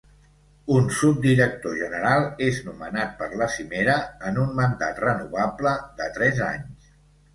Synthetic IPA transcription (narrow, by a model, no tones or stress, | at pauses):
unsup̚d̪iɾək̚t̪oʒənəɾalˠeznumənat̪̚pəɾləsimeɾəənunmənd̪a̰t̪rənuβabləd̪ət̪ɾɛza̰ɲs